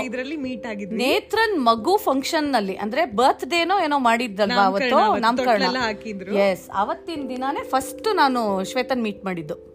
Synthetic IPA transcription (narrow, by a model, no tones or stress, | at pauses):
id̪ɾɐlːimiːʈaːɡid̪nneːt̪ɾɐnmɐɡupʰɐŋkʂɐnːɐlːiʔɐ̰nd̪ɐɾe̞bɐːt̪ʰd̪eːnoːeːnoːmaːɽid̪ːɐlʋaːʋɐɐt̪ːoːnɐmkɐɭɐɳɐlɐaːkid̪ɾujesɐ̰ʋɐt̪ːind̪inane̞ːpʰɐsʈunaːnuʃʋeːt̪ɐnmiːʈmaːɽid̪ːu